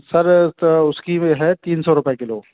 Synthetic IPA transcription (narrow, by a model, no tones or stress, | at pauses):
sɐɾʊskiɦɛt̪iːnsɔɾʊpjekɪlo̰ːɡ